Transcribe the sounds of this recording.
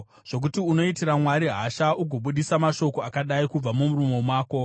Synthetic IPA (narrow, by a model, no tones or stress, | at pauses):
ʐ̥o̞k̬utiuno̞itiɾamwaɾiɦaʃauɡʱoɓuɗisamaʃo̞ko̞akaɗaikub͡vamumurumo̞mwaːko̞